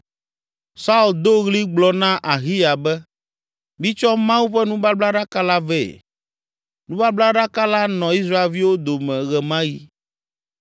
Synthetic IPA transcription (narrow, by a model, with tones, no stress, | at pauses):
sa˦u˨ld̪o˦ɣli˦ɡ͡blɔ˨nã˦ʔa˨ɣi˦ja˨bɛ˦ | mĩ˦t͡ʃɔ˦mã˦wu˦ɸɛ˦nũ˦ba˦bla˦ɖa˦ka˦la˦vɛ̰˨ | nũ˦ba˦bla˦ɖa˦ka˦la˦nɔ̃˨i˦s̬ɾa˦e˨lvi˦wo˦d̪o˨mɛ̃˨ɣɛ˨mã˦ji˦